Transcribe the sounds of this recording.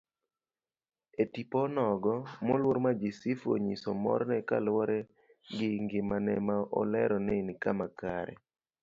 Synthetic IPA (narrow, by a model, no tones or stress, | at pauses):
etipɔnɔɡɔmolwoɾmad͡ʒɪsifo̰ɲisɔmɔ̰ɾnɛka̰lwɔɾɛ | ɡɪŋɡɪmanɛmaʔɔ̰lɛɾɔnenɪkamakaɾɛ̰